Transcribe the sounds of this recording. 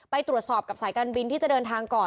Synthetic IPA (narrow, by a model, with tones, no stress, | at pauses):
pa˧jt̪ɾu˨˩ət̪sɔː˨˩p̚ka˨˩saː˩˦jkaː˧nbi˧nt̪ʰiː˥˩t͡ɕa˨˩dɤː˧nt̪ʰaː˧ŋkɔː˨˩